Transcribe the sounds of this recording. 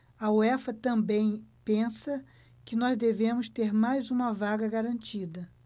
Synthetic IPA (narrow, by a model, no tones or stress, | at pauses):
ɐoɛfɐt̪ɐ̃mbẽj̃pẽsɐ | kɪnɔzd̪evẽmʊst̪eɾmajzũmɐvaɡɐɡaɾɐ̃nt͡ʃid̪ɐ